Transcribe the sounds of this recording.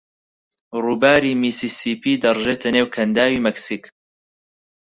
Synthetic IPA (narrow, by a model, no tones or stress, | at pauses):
ruːbaːɾiːmiːsiːsiːpʰiːd̪ɐrˤʒeːt̪ʰɐneːwkʰɐnd̪aːwiːmɛksik